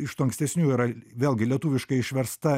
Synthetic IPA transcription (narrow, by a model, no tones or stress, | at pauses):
ɪʃt̪uɐŋksʲt̪ʲɛsʲnʲuːiɾɐʋʲeːlˠʲɡʲɪlʲiɛt̪uːʋʲɪʃkɐɪɪʃʲʋʲɛɾst̪ɐ